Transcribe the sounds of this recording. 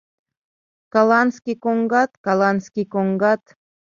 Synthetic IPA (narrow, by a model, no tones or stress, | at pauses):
kɑlˠɑnskʲikoŋɡɑt̪kɑlˠɑnskʲikoŋɡɑt̪